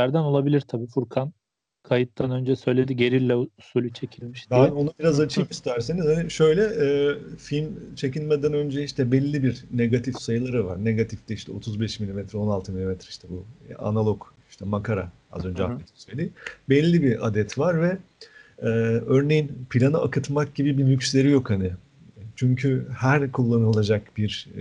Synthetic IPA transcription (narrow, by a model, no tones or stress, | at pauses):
æɾd̪æno̞lˠabilʲiɾt̪ʰabiːfuɾkʰan | kʰajɯt̪ːanø̞nd͡ʒɛsø̞jlʲe̞d̪iɟe̞ɾillʲːɛusuːlʲyt͡ʃʰe̞cʰilʲmiʃd̪bæno̞nabiɾazat͡ʃʰɯmist̪ʰæɾseniz̥haniʃø̞jlʲɛʔɛːfilʲmt͡ʃʰe̞cilʲmɛd̪ænø̞nd͡ʒɛiʃt̪ʰɛbɛlʲːibiɾneɡat̪ʰifsajɯlˠaɾɯva̰ɾneɡat̪ʰifd̪ɛiʃt̪ʰɛo̞t̪ʰuzbɛʃmilʲimɛt̪ʰɾɛo̞nalˠt̪ʰɯmilʲimɛt̪ʰɾɛiʃt̪ʰɛbua̰nalˠoɡ | iʃt̪ʰɛmakʰaɾa̰ | a̰zø̞nd͡ʒɛa̰et̪ʰi̥nsøjd̪ʲibɛlʲːibiʔa̰d̪ɛt̪vaɾvɛ | ɛːø̞ɾne̞jinpʰilʲanɯakɯt̪mak̚ɟ̥ibibimjycslʲe̞ɾijo̞khanɪ | t͡ʃʰyɲcʰyhæɾkʰulˠːanɯlˠad͡ʒakbiɾ